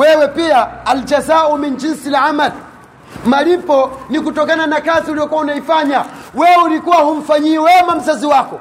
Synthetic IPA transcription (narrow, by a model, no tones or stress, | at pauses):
wɛwɛpiaːld͡ʒazaumind͡ʒinsilamal | malipɔnikutɔkananakaziulijɔkuaunaifaɲawɛulikuwahum̩faɲiɛwɛmam̩zaziwakɔ